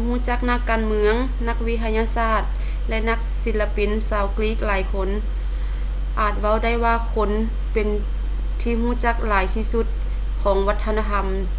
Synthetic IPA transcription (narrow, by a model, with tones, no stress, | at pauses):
huː˧˥˨t͡ɕa˧˥k̚na˧˥kːaː˨nmɯ˧əŋ | na˧k̚wi˧˥t̪ʰa˧ɲaː˧saː˧˩t̪̚ | lɛ˧na˧˥k̚si˧˦lla˧pi˨˩nsaː˧˦wkliː˧˥˩k̚laː˨˦jkʰo˧˥˨n | ʔaː˨˩t̪̚wa˧˩˨wda˥˨jwaː˧˨kʰo˧˥˨n | pe˨n | t̪ʰiː˧ɦuː˧˥˩t͡ɕa˧˥k̚laː˨˦jt̪ʰiː˧su˧˥t̪̚ | kʰɔː˨˦ŋʋa˧˥t̪ʰːa˧naː˧t̪ʰa˧˥m